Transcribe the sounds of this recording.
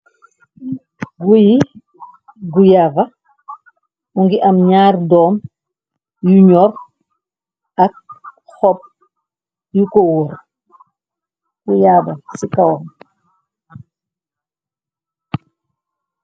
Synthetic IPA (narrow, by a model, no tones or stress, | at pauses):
ɡuji | ɡujaːbɐ | uŋɡiʔɐmɲaːɾdɔːm | juɲɔr | ɐk̚ | xɔp̚ | jukowuɾ | ɡujaːbɐsikawɔm